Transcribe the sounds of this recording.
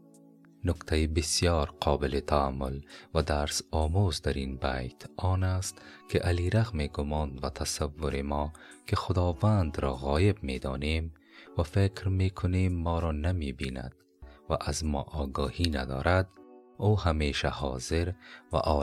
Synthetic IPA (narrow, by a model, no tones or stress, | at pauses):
nʊkt̪ʰajibisijɒːɾqʰɔːbilit̪ʰaamːʊlvad̪aɾsɔːmuzd̪aɾinba̰jt̪ʰɔːnast̪kʰiʔaliɾaɣmeɡʊmɔːnd̪vat̪ʰasavːʊɾimɔːkʰixʊd̪ɒːvand̪ɾɔːɣɒːjebmed̪ɔ̰ːnem | vafekɾmekʰʊneːmːɔːɾɔːnamebina̰d̪̥ | va̰ʔazmɔ̰ːʔːɡɔːhinad̪ɒːɾad̪ | uɦameʃahɒ̰ːzeɾva̰ʔɔː